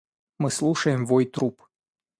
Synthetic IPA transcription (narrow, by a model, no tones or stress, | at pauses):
məsluʃeɨmvojt̪ɾup